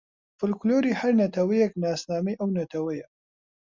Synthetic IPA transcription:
fɨlkloːɾiːhɐɾnɐt̪ʰɐwijɛknaːsnaːmijʔɐwnɐt̪ʰɐwɐjɐ

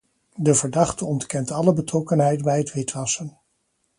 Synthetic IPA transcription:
dəvəɹdɑχtəɔntkɛntɑləbətrɔkənɦɛjtbɛjətʋɪtʋɑsən

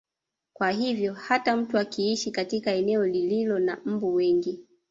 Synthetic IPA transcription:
kwaɦivjɔhatam̩tuakiiʃikatikaɛnɛɔlililɔnam̩buwɛŋɡi

